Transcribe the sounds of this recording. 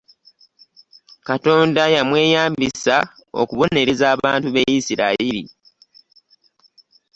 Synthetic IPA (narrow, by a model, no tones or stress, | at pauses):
kato̞ːndajamwe̞ːjaːmbisa | o̞̰kuβo̞ne̞ɾezaːβaːntuβejisiɾaiɾḭ